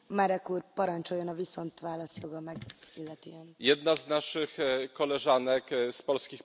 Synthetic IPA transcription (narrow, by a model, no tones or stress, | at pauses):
maːɾɛkːuːrpɒɾɒɲt͡ʃojonɒviso̞nt̪ʋaːlɒsjo̞ɡɒmɛɡilːɛt̪yɛnjɛd̪naznaʂɘxkːɔlɛʐanɛkspɔlskʲix